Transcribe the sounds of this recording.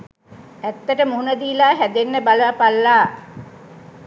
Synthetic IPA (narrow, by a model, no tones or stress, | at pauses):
æt̪ːəʈəmuunəd̪iːlaːɦæd̪enːəbaləʋapalːaː